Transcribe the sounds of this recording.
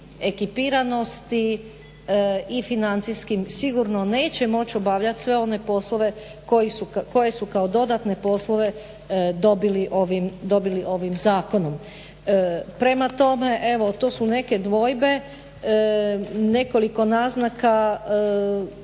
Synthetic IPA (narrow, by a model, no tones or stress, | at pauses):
e̞kipiɾano̞st̪i | ifinant̪siskimsiɡuɾno̞ne̞ːt͡ɕe̞mo̞t͡ɕo̞baʋʎat̪sʋe̞o̞ne̞po̞slˠoʋe̞ | ko̞jisukoje̞sukaod̪o̞d̪at̪ne̞po̞sloʋe̞ | d̪o̞biliʔo̞ʋimd̪o̞biliʔo̞ʋimzaːko̞nom | pɾe̞mat̪o̞me̞ʔe̞ʋo̞t̪oːsune̞ke̞d̪ʋo̞jbe̞ | ne̞ko̞liko̞naznaka